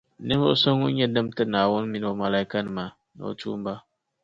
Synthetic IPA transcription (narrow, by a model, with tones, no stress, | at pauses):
nɨ˦vʊ̰˦ʔso˦ŋu˦ɲɛ˦dɨ˦mtɨ˦naː˨wʊ˦n˦mi˦n˦o˨ma˨la˨i˦ka˦nɨ˨ma˨ | nɨ̰˨o̰˨tṵ˦m˦ba˦